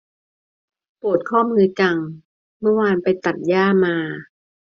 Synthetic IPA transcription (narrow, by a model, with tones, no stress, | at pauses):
pu˨˩ət̪̚kʰɔː˥˩mɯː˧t͡ɕa˧ŋ | mɯ˥˩əwaː˧npa˧jt̪a˨˩t̪̚jaː˥˩maː˧